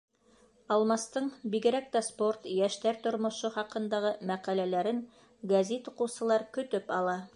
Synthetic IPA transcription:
ɑlˠmɑst̪ɤɴbiɡɘ̆ɾæk̚t̪æsport̪jæʃt̪æɾt̪ŏɾmŏʃoχɑqɤ̆nd̪ɑʁɤmæqælælæɾɘŋ | ɡɐzit̪uqɤ̆wsɤ̆lˠɑɾkɵ̆t̪ɵpɑlˠɑ

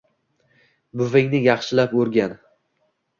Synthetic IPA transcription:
bʊvɪŋnɪjɑχʃɪlapɵɾɡʲan

